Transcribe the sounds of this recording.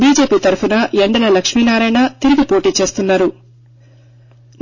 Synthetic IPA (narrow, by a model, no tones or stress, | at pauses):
biːd͡ʒe̞ːpiːt̪ɐɾupʰunɐeɳɖɐlɐlɐkʂmiːnaːɾɐjnɐt̪iɾiɡipoːʈiːt͡ʃe̞ːst̪unːaːɾu | n